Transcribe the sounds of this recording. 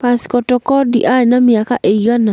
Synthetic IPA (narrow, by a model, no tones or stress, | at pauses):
paskɔtɔkɔdiʔajnamɪakaʔeɡana